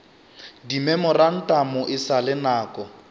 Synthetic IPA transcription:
dimɛmʊran̩tʼamʊʔɪsalɪnaːkʼɔ

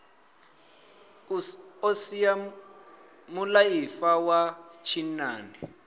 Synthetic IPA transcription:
osija | mulajifawat͡ʃʰinaːni

